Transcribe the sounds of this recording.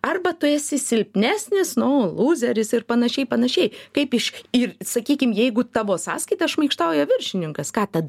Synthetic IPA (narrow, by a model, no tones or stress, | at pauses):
ɐrbɐt̪ʊeːsʲɪsʲɪlʲpʲnʲæːsʲnʲɪsnʊlˠuːzʲɛɾʲɪsɪrpɐnɐʃʲɛɪpɐnɐʃʲɛɪkɐɪpɪʃɪrsɐkʲiːkʲɪmjɛɪɡʊt̪ɑʋoːsɑ̰ːskɐɪt̪ɐʃmɐɪkʃt̪ɑʊjɛʋʲɪrʲʃʲɪnʲɪŋkɐskɑːt̪ɐd̪